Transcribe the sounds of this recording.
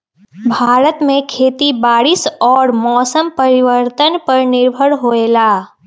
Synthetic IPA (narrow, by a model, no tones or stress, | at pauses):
bʱaːɾət̪mẽkʰeːt̪ibaːɾɪsɔːɾmɔːsəmpɐɾɪʋəɾt̪ənpɐɾnɪɾbʱəɽɦoːeːlaː